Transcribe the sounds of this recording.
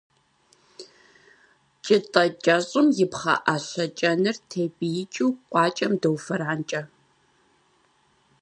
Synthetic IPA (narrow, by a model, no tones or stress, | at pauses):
t͡ʃʼɪtʼɐt͡ʃʼɐɕʼɨmjɪpχɐ̰ʔaɬɐt͡ʃʼɐnɨrtʰeːbijɪt͡ʃʼiwqʷʼɑːt͡ʃʼɐmdɐwfɐɾaːnt͡ʃʼɐ